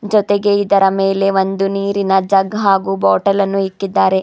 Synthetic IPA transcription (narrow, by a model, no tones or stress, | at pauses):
d͡ʒɔt̪eɡe̞id̪ɐɾɐmeːle̞ʋond̪uniːɾinɐd͡ʒɐɡɦaːɡuːbɔːʈɐlɐnːuikːid̪ːaːɾe̞